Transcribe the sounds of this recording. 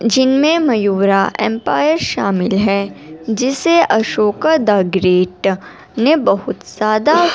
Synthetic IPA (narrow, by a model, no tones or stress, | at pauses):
d͡ʒɪnmẽmɐjuːɾaʔɛ̰̃ːmpaːjəɾʃaːmɪlɦɛːd͡ʒɪseʔɐʃoːkad̪aːɡɾeːʈ | nebɐɦʊt̪z̥aːd̪a